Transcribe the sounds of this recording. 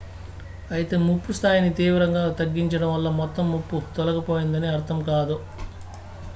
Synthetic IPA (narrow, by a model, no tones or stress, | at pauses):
ɐjit̪e̞ːmupːust̪ʰaːjinit̪iːʋɐɾɐŋɡaːt̪ɐɡːiɲt͡ʃɐɽɐmʋɐlːɐmɔt̪ːɐmːupːut̪ɔlɐkɐpoːjind̪ɐniɐɾt̪ʰɐmkaːd̪u